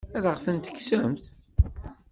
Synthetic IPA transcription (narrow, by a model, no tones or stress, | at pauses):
æðəʁθənt̪ə̥kːsæmθ